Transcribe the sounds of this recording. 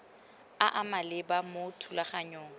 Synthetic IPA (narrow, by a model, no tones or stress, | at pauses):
aʔamalɪbamotʰulaχaɲɔːŋ̩